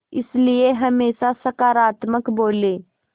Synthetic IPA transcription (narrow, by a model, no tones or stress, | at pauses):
ɪslieɦɐmeːʃasɐkaːɾaːt̪məkboːleː